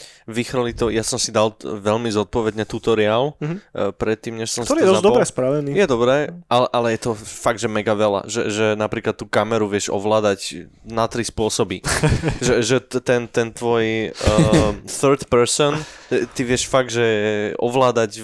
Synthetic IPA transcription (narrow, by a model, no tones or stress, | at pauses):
ʋixɾɔlit̪ɔjasɔmsid̪alʋɛlmizɔt̪̚pɔʋɛd̪ɲɛt̪ut̪ɔɾiaːlpɾɛt̪ːiːmɲɛʃsɔ̃msɔɾid̪ɔzd̪ɔbɾɛspɾaʋɛniːjɛd̪ɔbɾɛʔalɛʔalɛjɛt̪ɔfaɡ̚d̪ʒɛmɛɡaʋɛla̰ʒɛ̰ʒɛnapɾiːklat̪ːuːkamɛɾuʋɪɛʒɔ̰ʋlaːd̪ac | nat̪ɾispʊɔsɔbiʒɛʒɛt̪ɛnt̪ɛnt̪ʋɔj | θɛɾt̪pɛɾsɔn | t̪iʋɪɛʃfaɡ̪̚ʒɛɔʋlaːd̪aɟ